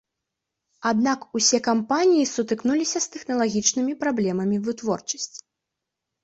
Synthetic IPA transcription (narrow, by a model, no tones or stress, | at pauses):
ad̪nakusʲɛkampanʲijisut̪ɨknulʲisʲɐst̪ɛxnɐlˠaɣʲit͡ʂnɨmʲipɾablʲɛmɐmʲivɨt̪vɔrt͡ʂɐ̥sʲt͡sʲ